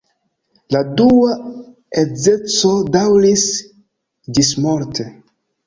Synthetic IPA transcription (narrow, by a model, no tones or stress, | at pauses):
ladua | ed͡ze̞t͡so̞dawɾis | d͡ʒis̬moɾtʰe